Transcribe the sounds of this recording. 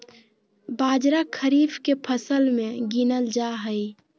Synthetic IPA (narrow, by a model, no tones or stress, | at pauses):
baːd͡ʒɾakʰəɾiːbkepʰəsəlmẽɡinəld͡ʒaɦəj